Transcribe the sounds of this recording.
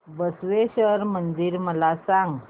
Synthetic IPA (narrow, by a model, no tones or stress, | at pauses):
bəsʋeɕəɾmənd͡ziːɾməlasãŋɡ